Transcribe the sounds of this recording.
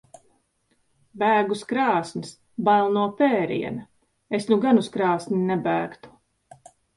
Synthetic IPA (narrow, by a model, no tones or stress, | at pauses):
bæːɡuskɾaːsnʲis | balˠnuɔpɛːɾḭɛnɐ | esnuɡanuskɾaːsnʲinɛbæːkt̪u̥